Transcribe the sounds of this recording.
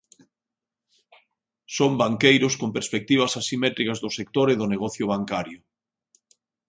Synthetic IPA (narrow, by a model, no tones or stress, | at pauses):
sombaŋkejɾʊskompeɾspek̚t̪iβ̞ɐsasimet̪ɾikazðʊsek̚t̪oɾeðʊneɣ̞ɔθjʊβ̞aŋkaɾjʊ